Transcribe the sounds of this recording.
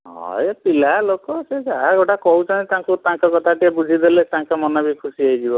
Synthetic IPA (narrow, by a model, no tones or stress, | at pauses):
ɦɔ̰jpilalokɔsed͡ʒaɡoʈakɔɦut͡ʃʰanet̪ãŋkut̪ãŋkɔkɔt̪ʰaʈijabud͡ʒʱid̪elet̪ãŋkɔmɔnabikʰusiaid͡ʒibɔ